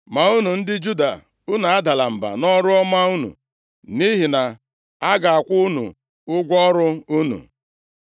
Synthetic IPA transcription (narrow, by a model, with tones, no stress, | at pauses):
ma˨u˦nu˨n̩˦dɪ˦d͡ʒu˦da̰˨ | u˦na˨a˦da˨la˨m̩˨ba̰˨nɔ˦ɾʊ˦ɔ˦ma˦u˦nṵ˨ | ni˦ɦi˨na˨ | a˦ɡa˨a˨kʷʊ˦nṵ˨ | ʊ˦ɡʷɔ˦ɾʊ˦u˦nṵ˨